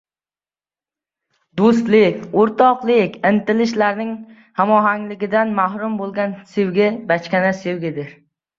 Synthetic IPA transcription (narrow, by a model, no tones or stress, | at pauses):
d̪ost̪lɪkʲoɾt̪ʰɒqlˠɪkʲɪnt̪ɪlɪʃlaɾnɪŋ | hamɒɦaŋlɪɡʲɪd̪anmaɦɾʊmbolˠɡʲansewɡʲɪbat͡ʃkʲanasewɡʲɪd̪ɪɾ